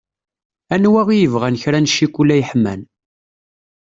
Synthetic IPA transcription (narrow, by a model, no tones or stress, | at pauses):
ænwæʁijəvʁænçɾænʃːikʷːulæjħmæ̰n